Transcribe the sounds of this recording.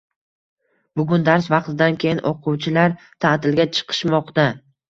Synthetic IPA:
bʊɡʲʊnd̪aɾsvɑqt̪ɪd̪ankʲʰe̞jɪnʔoqʰʊwt͡ʃʰɪlaɾ | t̪ʰat̪ɪlɡʲat͡ʃʰɨ̥qʰɨ̥ʃmɒqt̪a

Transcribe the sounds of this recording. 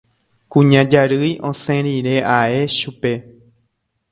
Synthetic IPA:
kũɲãd͡ʒaɾɨjʔõsẽɾiɾe̞ʔae̞ʃupe̞

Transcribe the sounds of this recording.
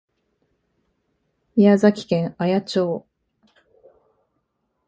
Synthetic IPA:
ijazakʲi̥kẽ̞ɰajat͡ɕo̞ː

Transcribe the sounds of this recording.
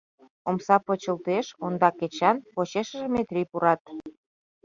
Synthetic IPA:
omsɑpot͡ɕəlt̪eʃond̪ɑket͡ɕɑnpot͡ɕeʃə̆ʒemet̪rʲipuɾɑt̪̚

